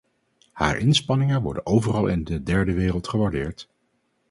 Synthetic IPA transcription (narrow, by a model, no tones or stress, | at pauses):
ha̰ːɹʔɪnspɑnɪŋəʋɔ̰ɹdə̰nʔowvərɑlˠɪ̰ndədɛɹdəʋeːrəlˠtχəʋaɹdɪːɹt